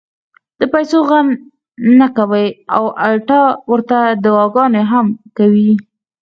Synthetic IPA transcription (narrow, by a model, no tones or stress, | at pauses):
d̪̥əpajsoɣan | nakawəjawʔaʈɑwəɾt̪ad̪awɑɡɑnoɦamkawi